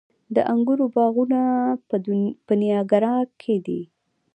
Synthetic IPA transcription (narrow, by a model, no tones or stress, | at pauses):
d̪əʔaŋɡuɾobɑɣuna | pənjɑɡaɾɑkʰed̪i